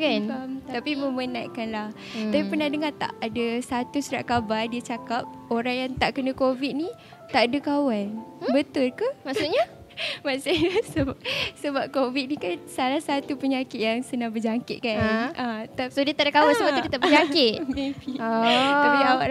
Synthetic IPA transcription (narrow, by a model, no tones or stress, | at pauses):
kanamt̪at̪apimə̃mənaʔ̪kanlah | t̪apipənahdəŋat̪a̰ʔadasat̪usuɾaʔkabardiat͡ʃakap̚oɾaŋjaŋt̪aʔkənəkovit̪̚ni | t̪aʔadakawanbət̪ʊlkəmasuʔɲa | masɪɲasəbasəbap̚kovit̪̚nikansalahsat̪upəɲakɪt̪̚jaŋsənaŋbəd͡ʒaŋkɪʔ̪̚kanʔat̪asodiət̪aʔdakawansəbaukit̪abəd͡ʒakɪt̪̚mefi | apiawaʔ